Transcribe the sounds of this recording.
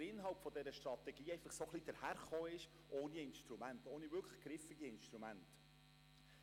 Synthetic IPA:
ɾɪnɦɑlpfɔdɛɾəʃtɾɑt̪ɛɡiːɛɪfɑχsoχlid̥̪əɾhæɾχoːɪʃ | ʔoːniɪnʃtɾumænt̪oːnivʏɾkʰlə̥χɡ̥ɾɪfɪɡiɪnʃtɾumænt

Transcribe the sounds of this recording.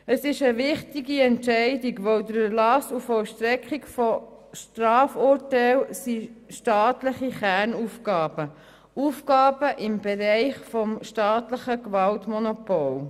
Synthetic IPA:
əsɪʃəʋɪχtiɡiɛnʃɛɪdiɡʋœwd̪əɾəlɑsufɔlʃt̪ɾɛkχikfɔ | ʃtɾɑːfuɾtɛlsiʃtɑːtləχiχæɾnufkɑːb̥ə | ufkɑːb̥əʔɪmb̥ɛɾɛɪχfɔmʃtɑːtləχəkʋɑltmɔnopɔl

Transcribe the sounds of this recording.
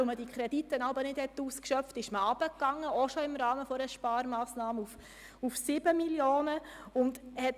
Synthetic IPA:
lmədikχɾɛditːənɑbəɾnɪd̥hɛtːuːskʃœftɪʃməɑb̥əkːɑŋːəɔʃɔɪmɾɑːməfɔɾəʃpɑːɾmɑːsnɑːməuf | ufsɪbəmiljoːnə | ʊndhɛt

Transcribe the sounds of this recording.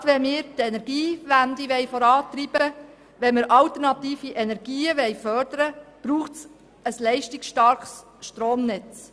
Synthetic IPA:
tʋɛmɪːɾtɛnɛɾɡ̥iːʋænd̪iʋɛɪjfɔɾɑːt̪ɾib̥əə | ʋɛnmɪɾʔɑlt̪əɾnɑt̪iːfiʔɛnɛɾɡ̥iːəʋɛjfœɾdəɾəb̥ɾuːχts | əslɛɪʃtikʃtɑɾχs | ʃtɾoːmnɪt͡s

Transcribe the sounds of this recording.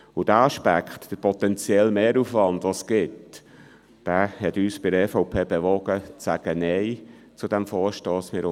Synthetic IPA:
ʊd̥æɑʃpæ̰kχtd̥əɾpʰɔt̪ɛnt͡sjɛlmeːɾufʋɑndɑsɡ̥ɪt | d̥æːhɛt̪yːsb̥ɪdɛfɔʊpʰeːbɛʋɔɡ̥ət͡sæɡ̥ənɛɪ | t͡sud̥æmfɔːɾʃtoːsmɪːɾ

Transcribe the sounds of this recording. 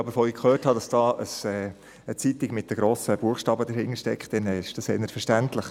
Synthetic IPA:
ɑbəɾfoikʰχøːthɑd̥ɑsd̥ɑːʔəsɛː | ət͡sit̪iɡmɪt̚dəɡ̥ɾoːsəb̥uəχʃtɑːbəd̪əɾhɪnəɾʃtɛkχtd̥ɛnɛɪʃd̥ɑseːnətfəʃtænt̪ləχ

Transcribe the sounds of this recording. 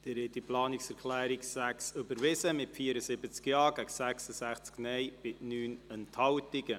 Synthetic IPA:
d̪̥ɪɾhɛtiplɑːnɪksɛɾkʰlæːɾiksæksʏbəɾʋɪsəmɪtfiəɾəsɪbət͡skjɑːɡ̥æksæksəsæχt͡sknɛjb̥ɪnyːnənthɑwtɪɡə

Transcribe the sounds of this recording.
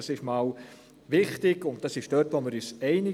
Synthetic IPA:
ɑsɪʃmɑːl | ʋɪχtɪɡʊntd̥ɑsɪʃd̥œtʋomɪɾyːsɛɪnɪ

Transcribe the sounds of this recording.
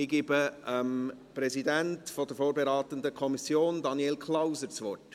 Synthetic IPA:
ɪɡ̥iːbəəmpɾɛzidæntfɔd̥əɾfoːɾbɛɾɑːt̪əndəkʰɔmisjoːndɑniɛlkʰlawzəɾt͡sʋɔrt

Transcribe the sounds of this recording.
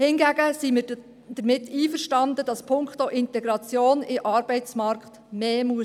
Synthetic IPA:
hɪnɡæɡəsimɪː | d̪̥əɾmɪtːiːfəɾʃtɑnd̪əd̥ɑspʰʊŋkχtoʔɪnt̪ɛɡɾɑt͡sjoːnɪʔɑːɾb̥ɛɪt͡smɑɾkχt̪meːmuə

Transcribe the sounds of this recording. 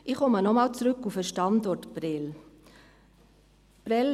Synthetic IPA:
ʔɪχɔmənɔmɑːlt͡sɾɵkːufəʃtɑndɔrtpɾɛl | pɾɛl

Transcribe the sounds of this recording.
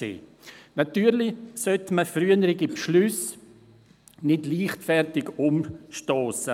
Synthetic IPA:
ḛː | natyːɾlɪsœtməfryənəɾɪɡipʃlʉs | nɪdliːχtfɛrtɪɡʊmʃtoːsə

